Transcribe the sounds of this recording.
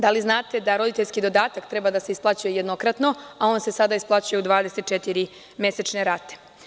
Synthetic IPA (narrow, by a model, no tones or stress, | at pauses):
d̪aliznaːt̪e̞d̪aɾo̞d̪it̪e̞ʎʲskid̪o̞d̪aːt̪akt̪ɾe̞bad̪aseisplat͡ɕuje̞jed̪no̞kɾat̪no̞ao̞ːnse̞sad̪aisplˠat͡ɕuje̞ud̪ʋaːd̪eset̪̚t͡ʃet̪iɾi | mje̞set͡ʃneɾat̪e̥